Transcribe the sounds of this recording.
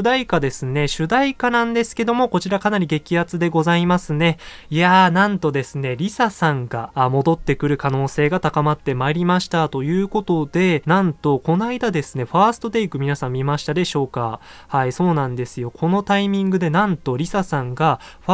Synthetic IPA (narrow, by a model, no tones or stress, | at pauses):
d̪aikad̪e̞sɨne̞ɕɨd̪aikanãnd̪e̞sɨ̥ke̞d̪o̞mo̞ko̞t͡ɕiɾakanaɾʲiɡe̞kʲihat͡sɨd̪e̞ɡo̞zaimasɨne̞ | ijanãnt̪o̞d̪e̞sɨne̞ɾʲisasãŋɡamo̞d̪o̞t̪ːe̞kɯ̟ɾɯ̟kano̞ːse̞ːɡat̪akamat̪ːe̞maɾʲimaɕi̥t̪at̪o̞jɯ̟ːko̞t̪o̞d̪e̞nãnt̪o̞ko̞naid̪ad̪e̞sɨne̞ɸaːsɨ̥t̪o̞d̪e̞ikɯ̟mʲinasãmʲːimaɕi̥t̪ad̪e̞ɕo̞ːka̰ | haiso̞ːnãnd̪e̞sɨjo̞kʰo̞no̞t̪aimʲĩŋɡɯ̟d̪e̞nãnt̪o̞ɾʲisasãŋɡa | ɸ